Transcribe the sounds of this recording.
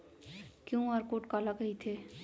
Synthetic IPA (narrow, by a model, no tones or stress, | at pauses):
kjõːaːɾkoːʈkaːlakɐɦit̪ʰeː